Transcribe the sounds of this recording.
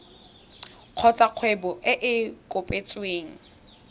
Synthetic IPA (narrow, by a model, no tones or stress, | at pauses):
q͡χʰɔt͡sʼaq͡χʰwebɔʔɪʔɪkʼʊpʼet͡sʼweːŋ̩